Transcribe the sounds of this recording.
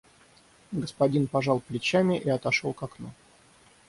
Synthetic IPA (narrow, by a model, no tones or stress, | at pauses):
ɡəspɐdʲinpɐʐɑlˠplʲɪt͡ɕamʲɪʔiɐt̪ɐʂolˠkɐknu